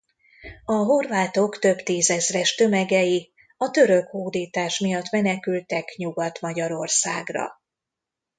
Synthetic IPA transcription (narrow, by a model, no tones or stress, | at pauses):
ɒɦo̞rvaːt̪o̞kt̪ø̞bt̪iːzɛzrɛʃt̪ø̞mɛɡɛji | ɒt̪ø̞ɾø̞khoːd̪iːt̪aːʃmijɒt̪mɛnɛkylt̪ɛkɲuɡɒt̪mɒɟɒɾo̞rsaːɡrɒ̰